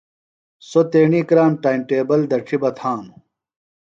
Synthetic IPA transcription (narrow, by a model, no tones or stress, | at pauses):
sot̪eːɳiːkɾaːnʈaːimʈeːbɐld̪ɐʈ͡ʂʰibɐt̪ʰãːnu